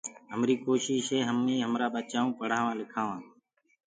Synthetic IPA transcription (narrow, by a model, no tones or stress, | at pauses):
ɦəmɾiːkoːʃiʃɦeːɦəmĩːɦəmɾaːɓət͡ʃaːũːpəɽ̤aːʋãːlɪkʰaːʋãː